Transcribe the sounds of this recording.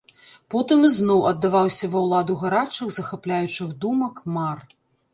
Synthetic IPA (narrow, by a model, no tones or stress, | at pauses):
pɔt̪ɨmɨznɔwɐd̪ːavawsʲɐvɐwlˠad̪uɣaɾat͡ʂɨɣzɐxaplʲajut͡ʂɨɣd̪umɐkmar